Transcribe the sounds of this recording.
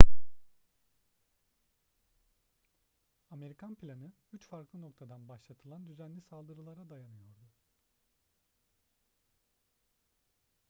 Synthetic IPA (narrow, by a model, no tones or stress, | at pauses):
ame̞ɾikʰanplʲanɯyt͡ʃfaɾklˠɯno̞kt̪ʰad̪anbaʃlˠat̪ʰɯlˠand̪yzænlʲisalˠd̪ɯɾɯlˠaɾad̪ajanɯjo̞ɾd̪u